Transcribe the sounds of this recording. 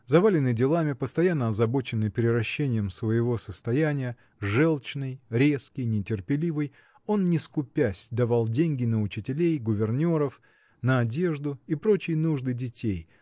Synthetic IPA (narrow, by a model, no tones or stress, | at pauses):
zɐvalʲɪnɨdʲɪlˠamʲɪpəst̪ɐjanːəɐzɐbo̞t͡ɕɪnːɨjpʲɾʲɪɾɐɕːenʲɪjəmsvəjɪvo̞səst̪ɐjænʲɪjə | ʐɛlˠt͡ɕnɨjɾʲe̞skʲɪjnʲɪtʲɪrpʲɪlʲivɨj | o̞nnʲɪskʊpʲæsʲd̪ɐvalˠdʲenʲɡʲɪnəʊt͡ɕɪtʲɪlʲejɡʊvʲɪrnʲo̞ɾəf | nəɐdʲe̞ʐd̪ʊipɾo̞t͡ɕɪjnuʐd̪ɨdʲɪtʲej